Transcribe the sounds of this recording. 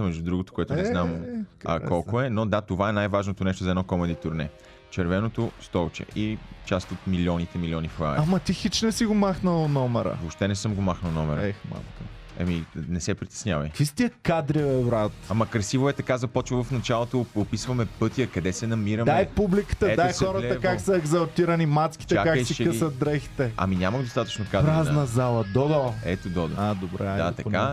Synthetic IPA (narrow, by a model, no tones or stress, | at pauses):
mɛʒd̪ud̪ɾuɡot̪o̥koɛt̪ʊnɛznamɐ̰kɔlˠkoɛnod̪at̪ovaɛnajvaʒnot̪onɛʃt̪ʊzɐɛdnɔkɔmɛd̪it̪ʊɾnɛ̰ | t͡ʃɛɾvɛnot̪ost̪ɔt͡ʃɛ̰it͡ʃast̪ot̪milʲiɔnit̪ɛmilʲɔniflˠa̰amɐt̪ixit͡ʃnɛsiɡomaxnəlˠnɔmɛɾə̰vopʃt̪ɛnɛsɤmɡomaxnəlˠnɔmɛɾə̰ma̰lˠk | ɐ̰minɛsɛpɾit̪ɛ̥snʲjavɐ̰jkvist̪iəkad̪ɾivɛvɾat̪amɐkɾɐsivoɛt̪ɐkazɐpɔt͡ʃvɐvɐfnɐt͡ʃalˠot̪oopisvɐmɛpɤt̪iəkɐd̪ɛsɛnɐmiɾɐmd̪ɛjpublikə̥t̪əɛd̪ajsxɔɾɐɛəvkaksɐɛɡzɐlt̪iɾɐnimat̪skʲi̥t͡ʃ̪ɛakaksiʃɛkəɐt̪̚d̪ɾɛxi̥t̪ɛɐ̰minʲamɐɡd̪ost̪at̪ə̥t͡ʃnokad̪pɾaznɐzalˠɐd̪ɔd̪oɛt̪od̪ɔd̪̰ad̪obɾɛ̰d̪at̪ɐka